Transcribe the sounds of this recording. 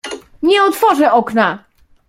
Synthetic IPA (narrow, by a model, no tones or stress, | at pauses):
ɲɛɔt̪fɔʐɛʔɔkna